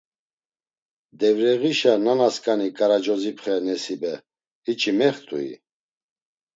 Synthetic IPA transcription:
d̪ɛvɾɛʁiʃananaskʼanikʼaɾad͡ʒɔzipʰχɛnɛsibɛ | it͡ʃʼimɛχt̪ʼṵḭ

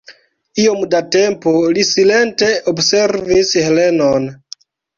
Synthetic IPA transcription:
io̞mdate̞mpolisile̞nte̞obse̞ɾvishele̞non

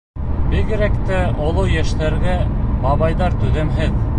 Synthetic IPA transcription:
bɘɡɘ̆ɾækt̪æʔŏlˠɤwjæʃt̪æɾɡæmɑβɑjðɑɾt̪ʉðæmɦɘð

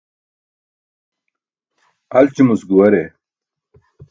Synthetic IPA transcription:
ɐlt͡ɕimusɡuwɐɾe

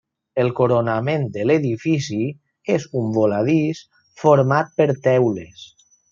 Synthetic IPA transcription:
elˠkoɾonamẽnd̪əleðifisi | ezumbolaðis | foɾmat̪̚pəɾt̪ɛwlḛs

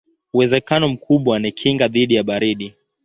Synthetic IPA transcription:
uwɛzɛkanɔm̩kʰuɓwaanɛkʰiŋɡaðiɗijaɓaɾiɗi

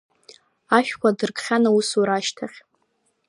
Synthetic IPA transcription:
aʃᶣkʷadɨrkχʲanausuɾaʃtʰaχʲ

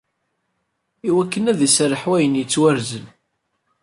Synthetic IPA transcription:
iwækːənæðəsɾəħwæjənjət͡sːwæɾzən

